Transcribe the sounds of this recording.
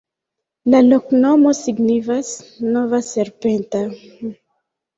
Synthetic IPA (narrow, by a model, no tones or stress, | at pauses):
laloknomosiɡnifasnovaseɾpent̪a